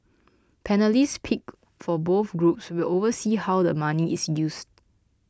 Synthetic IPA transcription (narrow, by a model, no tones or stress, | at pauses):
pʰɛnəlispʰik̚ | fɔboθɡɹup̚swilovəsihawdəmaniʔisjust̚